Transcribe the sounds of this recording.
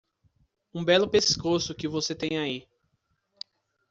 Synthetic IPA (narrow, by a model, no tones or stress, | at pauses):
ũbɛlʊpeskosʊkɪvoset̪ẽj̃ai